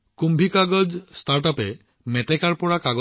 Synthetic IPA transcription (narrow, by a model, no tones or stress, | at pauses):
kumbʱikaɡɔd͡ʒsʈaɾʈɔpe | meʈekaɾpɔɽakaɡɔ